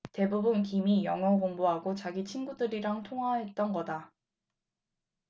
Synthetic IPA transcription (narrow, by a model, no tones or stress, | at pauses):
te̞bubunkimijʌŋʌkoŋboɦaɡot͡ɕaɡit͡ɕʰinɡudɯɾiɾaŋtʰoŋɦwaɦe̞t̚t͈ʌnɡʌda